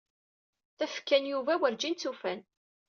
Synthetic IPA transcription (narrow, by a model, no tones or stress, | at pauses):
θæfkːænjuvæwəɾd͡ʒint͡sufæn